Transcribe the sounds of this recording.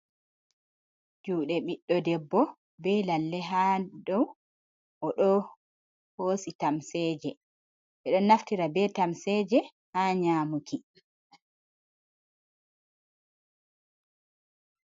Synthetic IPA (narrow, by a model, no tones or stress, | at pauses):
d͡ʒuːɗɛɓiɗːɔdɛbːɔ | bɛlalːɛɦadɔw | ʔɔɗɔ | hoːsitamsɛːd͡ʒɛ | ɓɛɗɔnːaftiɾabɛtamsɛːd͡ʒɛ | haːɲaːmuki